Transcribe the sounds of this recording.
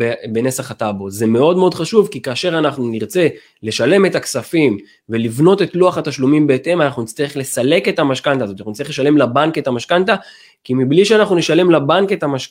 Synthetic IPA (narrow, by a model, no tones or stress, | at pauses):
bebenesaχat̪aboze̞me̞o̞dmeo̞d̪χaʃuvkikaːʃe̞ʁanaχnuniʁt͡se̞ | le̞ʃale̞me̞t̪aksafim | ve̞livno̞t̪e̞tluaχat̪aʃlumimbe̞ːte̞manaχnunit͡st̪aeχle̞sale̞ke̞t̪amaʃkantazot̪anaχunit͡staʁeχleʃale̞mlabanke̞t̪amaʃkant̪a | kimibliʃeanaχnuneʃale̞mlabanke̞t̪amaʃ